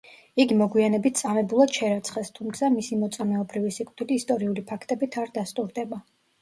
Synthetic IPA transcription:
iɡimɔɡwianɛbit̪̚ʰt̪sʼamɛbulˠad̪̥ʃɛɾat̪sʰχɛst̪ʰumt̪sʰamisimɔt̪sʼamɛɔbɾivisikʼtd̪ʰiliːst̪ʼɔɾiulipʰakʰt̪ʼɛbit̪ʰaɾd̪ast̪ʼuɾd̪ɛba

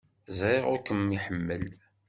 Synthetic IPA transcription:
zɾeʁʊkəmːiħəmːəl

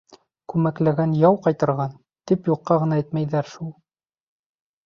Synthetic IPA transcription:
kʉmæklæɡænjɑwqɑjt̪ɤ̆ɾʁɑn | t̪ipjuqːɑʁɤ̆nɑæjt̪mæjðæɾʃulˠ

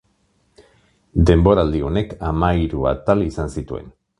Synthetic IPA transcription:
d̪e̞mbo̞ɾald̪io̞ne̞kamaiɾua̰t̪alisansit̪ue̞̰n

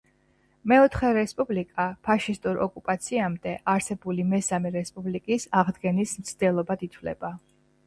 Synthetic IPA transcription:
mɛɔt̪ʰχɛɾɛspʼublikʼapʰaʃist̪ʼuɾɔ̰kʼupʼat̪sʰiamd̪ɛʔaɾsɛbulimɛsamɛɾɛspʼublikʼisaʁd̪ɡɛnismt̪sʰd̪̥ɛlˠɔbad̪it̪ʰvlɛ̰ba

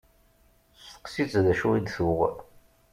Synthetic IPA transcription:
sə̥qsit͡sðæʃuid̪θʊʁ

